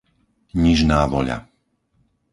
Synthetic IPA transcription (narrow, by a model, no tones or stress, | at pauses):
ɲiʒnaːʋɔʎa̰